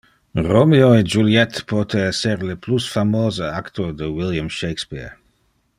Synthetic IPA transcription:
romioed͡ʒuljɛt̪pɔt̪ʰeɛseɾleplusfamoːzeakt̪od̪əwiljamʃejkspḭɹ

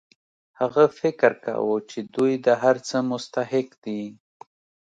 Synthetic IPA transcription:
haɣafɪkɾka̰wət͡ʃed̪ujd̪əɦaɾt͡səmʊst̪ahɪqd̪i

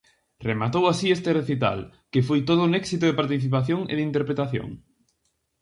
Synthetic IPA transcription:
remat̪owasiest̪ereθit̪̬a̰lkefojt̪̬oð̞ʊunɛksit̪ʊðepaɾt̪iθip̬aθjoŋḛðint̪eɾpɾet̪aθjo̰ŋ

